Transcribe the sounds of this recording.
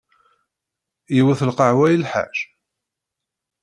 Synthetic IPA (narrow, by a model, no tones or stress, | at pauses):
jiwæθəlqəʕwæjlħa̰ʒ̥